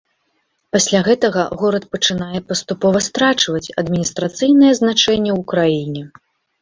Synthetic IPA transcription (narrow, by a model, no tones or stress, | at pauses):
pasʲlʲaɣɛt̪ɐɣɐɣɔɾɐt̪̚pɐt͡ʂɨnajɛpɐst̪upɔvɐst̪ɾat͡ʂvɐt͡sʲɐd̪mʲinʲist̪ɾat̪sɨjnɨjɛznat͡ʂɛnʲːɛwukɾajinʲɛ